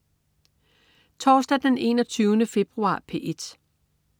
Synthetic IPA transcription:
t͡sʰɒːsd̥æd̥ene̝ːnɒt͡sʰyːʊnəfe̝b̥ʁuɑ̰̈ːpʰe̝̰ːʔed̥

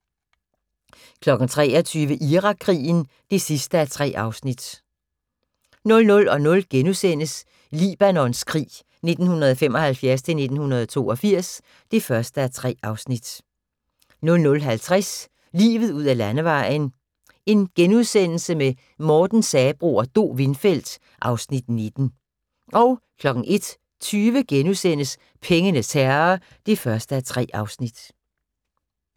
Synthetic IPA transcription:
kʰlɒ̽ɡ̥n̩t͡sʰʁɛ̰ːɒt͡sʰyːʋəʔiʁɑ̈ɡʰʁḭːn̩ | d̥e̝sisd̥əæt͡sʰʁɛ̰ːʔɑ̈ʊsnid̥ | nɔ̽lnɔ̽lɒ̽nɔ̽lɡ̥enuðˠsen̰əs | lḭb̥ænɒ̽nskʰʁḭː | ne̝d̥n̩hunɐðˠfem̰ɒ̽hælfjæɐst͡sʰe̝lne̝d̥n̩hunɐð̞ˠɒt͡sʰo̝̰ːɒ̽fiɐ̰s | d̥e̝fɶɐsd̥əæɐt͡sʰʁɛ̰ːɑ̈ʊsnid̥ | nɔ̽lnɔ̽lɦælt͡sʰʁɛs | lḭːʋð̞̩ˠuð̞̰ˠælænəʋɑ̈ɪ̰n̩ | e̝nɡ̥enuð̞ˠsen̰l̩səme | mɒːd̥n̩sɛːb̥ʁo̰ːɒd̥o̝̰ːʋe̝nfel̰d̥ | ʔɑ̈ʊsnid̥ned̥n̩ | ʔɒ̽ʊ | kʰlɒ̽ɡ̥n̩ʔe̝d̥ | t͡sʰyːʋəɡ̥enuðˠsen̰əs | pʰeŋənət͡sʰæɐɐ | d̥e̝fɶɐsd̥əæt͡sʰʁɛ̰ːɑ̈ʊsnid̥

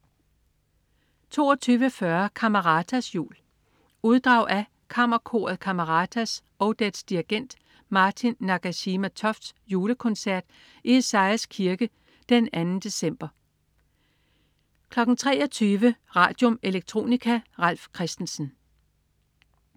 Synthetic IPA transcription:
t͡sʰo̝̰ːɒt͡sʰyːʋəfɶɐkʰɑmɐʁɑ̈dʰæsjṵːl | uð̞ˠd̥ʁɑ̈ʊ̰ʔæ | kʰɑ̈mɐkʰo̝̰ːɐð̩ˠkʰɑmɐʁɑ̈ːt͡sʰæs | ɒʊd̥edsd̥iɐɡ̥en̰d̥ | mɑ̈ːt͡sʰinːɑ̈ɡ̥æɕimæt͡sʰɒ̽fd̥sjuːləkʰɔ̽nsæɐ̰d̥ | ie̝sɑ̈ɪskʰiɐɡ̥ə | d̥enænn̩d̥e̝sem̰b̥ɐ | kʰlɒ̽ɡ̥n̩t͡sʰʁɛ̰ːɒt͡sʰyːʋəʁɑ̰̈ːd̥jo̝me̝leɡ̥̚t͡sʰʁo̝̰ːnikʰæʁɑl̰fkʰʁɛsd̥n̩sn̩

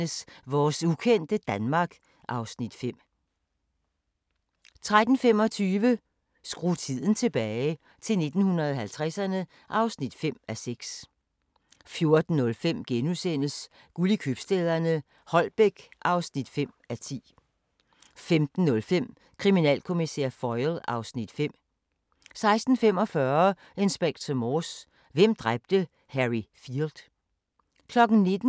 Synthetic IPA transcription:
əsʋɒːsukʰen̰d̥əd̥ænmɑ̈ɡ̥ | ʔɑ̈ʊsnid̥fem̰ | t͡sʰʁad̥n̩fem̰ɒ̽t͡sʰyːʋə | sɡ̥ʁut͡sʰið̞̰ˠn̩t͡sʰe̝b̥ɛːɪ | t͡sʰe̝lne̝d̥n̩hunɐðˠɒhælt͡sʰʁasɐnə | ʔɑ̈ʊsnid̥fem̰æseɡ̥s | fjo̝ɐd̥n̩nːɔ̽lfem̰ɡ̥enusen̰əs | ɡ̥ulikʰyb̥sd̥eðˠɐnə | hɒ̽lb̥eɡ̥ʔɑ̈ʊsnid̥fem̰æt͡sʰḭː | femd̥n̩ːɔ̽lfem̰ | kʰʁiminɛ̰ːlkʰo̝misḛɐ̰fɒɪlɑ̈ʊsnid̥fem̰ | sɑ̈ɪsd̥n̩fem̰ɒ̽fɶːɐ | ensb̥eɡ̥̚d̥sɒmɔs | ʋem̰d̥ʁab̥̚d̥ə | hæʁifiɐld̥ | kʰlɒ̽ɡ̥n̩ne̝d̥n̩

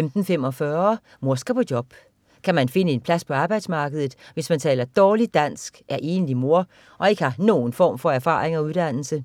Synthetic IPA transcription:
emd̥n̩fem̰ɒ̽fɶɐ | mo̝ɐsɡ̥ɐpʰɒ̽d̥jɒ̽b̥ | kʰæmænfe̝nəe̝npʰlæspʰɒ̽ɑ̈ːb̥ɑ̈ɪd̥smɑ̈ːɡ̥əðˠð̩ˠʋe̝smænt͡sʰɛ̰ːlɐd̥ɒːlid̥æn̰sɡ̥ʔæɐʔe̝ːnlimo̝ɐ | ʔɒ̽e̝ɡ̥əhɑ̈no̝ːn̩fɒ̰ːmfɒ̽æɐfɑ̰̈ːʁe̝ŋɒ̽uðˠd̥æn̰l̩sə

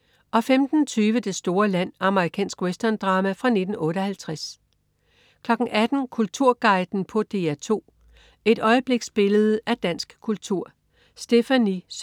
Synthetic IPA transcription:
ʔɒ̽femd̥n̩t͡sʰyːʋəd̥e̝sd̥o̝ːɐlæn̰ɑ̈məʁikʰɛ̰ːnsɡ̥wesd̥ɐnd̥ʁɑ̈ːmæfʁɑ̈ne̝d̥n̩ɔ̽ːɾ̥əɒhælt͡sʰʁas | kʰlɒ̽ɡ̥n̩ʔæd̥n̩kʰult͡sʰuɐ̰ɡ̥ɑ̈ɪd̥n̩pʰɒ̽d̥e̝æt͡sʰo̝̰ː | e̝dɾ̥ɒ̽ɪəb̥le̝ɡ̥sb̥e̝ləð̞̩ˠʔæd̥æn̰sɡ̥kʰult͡sʰuɐ̰ | sd̥e̝fænis

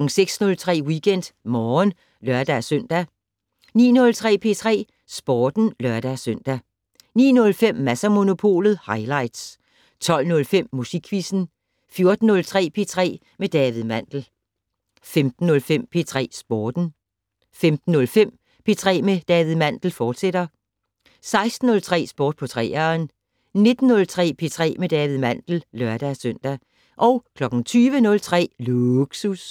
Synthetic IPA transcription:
ŋ̩seɡ̥snɔ̽lt͡sʰʁɛ̰ːwiɡ̥en̰d̥mɒːn | lɶɐd̥æsøn̰d̥æ | nḭːnɔ̽lt͡sʰʁɛ̰ːpʰe̝ːt͡sʰʁɛ̰ː | sb̥ɒːd̥n̩lɶɐd̥æsøn̰d̥æ | nḭːnɔ̽lfem̰mæsæmo̝no̝pʰo̝̰ːlð̞̩ˠhɑ̈ɪlɑ̈ɪd̥s | t͡sʰɒ̽l̰nɔ̽lfem̰musiɡ̥ʰʋisn̩ | fjo̝ɐd̥n̩ːɔ̽lt͡sʰʁɛ̰ːpʰe̝ːt͡sʰʁɛ̰ː | med̥ɛːʋið̩ˠmæn̰d̥l̩ | femd̥n̩ːɔ̽lfem̰pʰe̝t͡sʰʁɛ̰ːsb̥oːd̥n̩ | femd̥n̩ːɔ̽lfem̰ | pʰe̝ːt͡sʰʁɛ̰ːmed̥ɛːʋið̩ˠmæn̰d̥l̩fɒːd̥sed̥ɐ | sɑ̈ɪsd̥n̩ɔlt͡sʰʁɛ̰ːsb̥ɔːd̥̚pʰɒ̽t͡sʰʁɛ̰ːɐn | ne̝d̥n̩ːɔ̽lt͡sʰʁɛ̰ːpʰe̝ːt͡sʰʁɛ̰ːmed̥ɛːʋið̞̩ˠmæn̰d̥l̩lɶɐd̥æsœn̰d̥æ | ʔɒ̽ʊkʰlɒ̽ɡ̥n̩t͡sʰyːʋənɔ̽lt͡sʰʁɛ̰ːluɡ̥sus

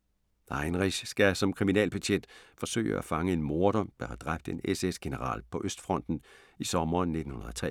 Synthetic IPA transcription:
ɑ̈ɪnʁiɕsɡ̥æsɒ̽mkʰʁiminɛ̰ːlb̥æ̥ɕʰed̥fɒ̽sø̰ːɪəæ̰fɑ̈ŋəe̝nmo̝ːɐɾ̥ɒmd̥æhæd̥ʁab̥d̥e̝nesesɡ̥e̝nəʁɑ̰̈ːlpʰɒ̽ʔøsd̥fʁɒ̽n̰d̥n̩ | isɒ̽mɐːnːe̝d̥n̩hunɐðˠɒt͡sʰʁɛ̰

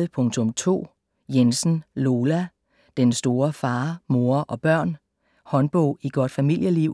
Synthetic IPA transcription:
pʰɔ̽ŋt͡sʰɔ̽mt͡sʰo̝̰ː | jensn̩lo̝ːlæ | d̥ensd̥o̝ːɐfɑ̈ːmo̝ːɐʔɒ̽b̥ɶɐ̰n | hɒ̽nb̥ɔ̰̽ʊ̰iɡ̥ɒ̽d̥fæmil̰jəliʊ̰

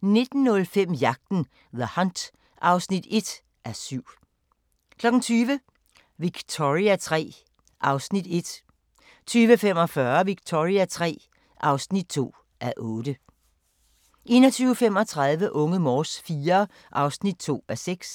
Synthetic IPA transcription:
ne̝d̥n̩ːɔ̽lfem̰jɑ̈ɡ̥̚d̥n̩ | ðəhɑnd̥ | ʔɑ̈ʊsnid̥e̝d̥ | ʔæɐsyʊ̰ | kʰlɒ̽ɡ̥n̩t͡sʰyːʋə | ʋiɡ̥t͡sʰoʁiæt͡sʰʁɛ̰ː | ʔɑ̈ʊsnid̥e̝d̥ | t͡sʰyːʋəfem̰ɒ̽fɶɐʋiɡ̥̚t͡sʰo̝ʁiæt͡sʰʁɛ̰ː | ʔɑ̈ʊsnid̥̚t͡sʰo̝̰ː | ʔæɐʔɔːd̥ə | ʔe̝̰ːnɒt͡sʰyːʊəfem̰ɒ̽t͡sʰʁɑ̈ð̞ˠʋəʔɔ̽ŋəmɒːsfiːɐ | ʔɑ̈ʊsnid̥̚t͡sʰo̝̰ːæɐseɡ̥s

